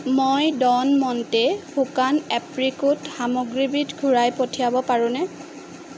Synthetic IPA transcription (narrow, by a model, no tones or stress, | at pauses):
mojdɔnmɔntɛhukanɛpɹikutxamoɡɹibitɡʱuɹajpotʰijabɔpaɹũnɛ